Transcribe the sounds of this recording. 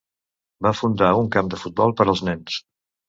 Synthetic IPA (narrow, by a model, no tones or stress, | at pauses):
bafund̪auŋkamd̪əfut̪̚bɔlˠpəɾəlˠznɛns